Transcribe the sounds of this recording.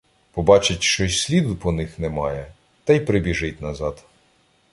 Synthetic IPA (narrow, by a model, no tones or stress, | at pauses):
pɔbɑt͡ʃɪtʲʃt͡ʃɔsʲsʲlʲid̪ʊpɔnɪxnɛmɑjɛ | t̪ɐjpɾɪbʲiʒɪtʲnɐzɑd̪